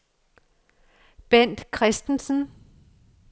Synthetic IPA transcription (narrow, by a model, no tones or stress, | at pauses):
b̥en̰d̥kʰʁɛsd̥n̩sən̩